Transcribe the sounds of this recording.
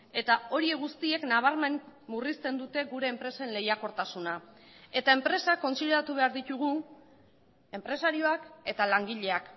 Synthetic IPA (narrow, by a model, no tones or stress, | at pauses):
e̞t̪ao̞ɾie̞ɣust̪ie̞knaβ̞aɾme̞nmurist̪e̞nd̪ut̪e̞ɣuɾe̞ːmpɾe̞se̞nle̞jako̞ɾt̪asuna | e̞t̪ae̞mpɾe̞sako̞nsiðeɾat̪uβ̞e̞aɾðit̪uɣ̞u | e̞mpɾe̞saɾio̞ake̞t̪alaŋɡiʎe̞ak